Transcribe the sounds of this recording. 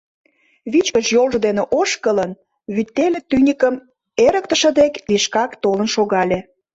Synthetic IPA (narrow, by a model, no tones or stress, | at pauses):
βit͡ɕkəʃjolʒə̆d̪eneʔoʃkələn | βyt̪ːelʲĕt̪ynʲikəm | eɾə̆k̚t̪ə̆ʃə̆d̪ekliʃkɑkt̪olənʃoɣɑlʲĕ